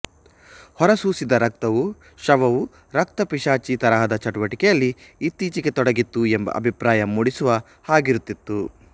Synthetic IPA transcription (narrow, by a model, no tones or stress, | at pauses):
hɔɾɐsuːsid̪ɐɾɐk̚t̪ɐʋu | ʃɐʋɐʋu | ɾɐk̚t̪ɐpiʂaːt͡ʃit̪ɐɾɐɦɐd̪ɐt͡ʃɐʈuʋɐʈikɛjɐlːiːt̪ːiːt͡ʃiɡe̞t̪ɔɽɐɡit̪ːuembɐ̰ʔɐ̰bʱipɾaːjɐmːuːɽisuʋɐ | haːɡiɾut̪ːit̪ːu